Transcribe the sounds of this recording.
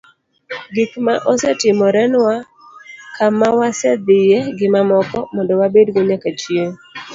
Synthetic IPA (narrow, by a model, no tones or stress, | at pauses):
ɡikmaʔɔsɛtɪmɔɾɛnwa | kamawasɛd̪ɪjɛɡɪmamɔkɔmɔndowabedɡoɲekat͡ʃjie